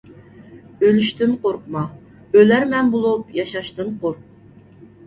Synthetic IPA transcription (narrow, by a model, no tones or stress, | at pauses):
ølyʃt̪ɪnqʰoɾqmɑ | ølæɾmɛnbolˠupjɑʃɑʃt̪ɨnqʰoɾq̚